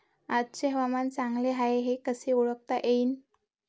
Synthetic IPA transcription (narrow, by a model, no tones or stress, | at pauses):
ad̪t͡ɕeɦəʋamant͡saŋɡleɦaeɦekəseuɭək̚t̪aʔein